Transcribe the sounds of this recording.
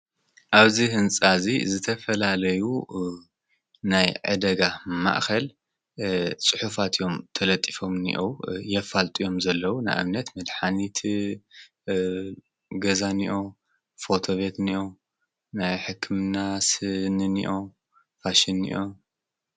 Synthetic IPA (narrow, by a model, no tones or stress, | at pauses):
ʔaβzihɨnt͡sʼazḭzɨt̪ʰɐfɐlalɐju | najʕɨ̰d̪ɐɡama̰ʔxɐl | t͡sʼɨħufat̪ʰjo̞mt̪ʰɐlɐt̪ʼːifo̞mnḭʔowjɛfalt̪ʼijo̞mzɐlːɐwuna̰jʔa̰βnɐt̪mɐd̪ħanit̪ʰ | ɡɐzaniʔo | fo̞t̪ʰo̞βe̞t̪niʔo | najħɨkʰːɨmnasɨnnḭʔo | faʃinːḭʔo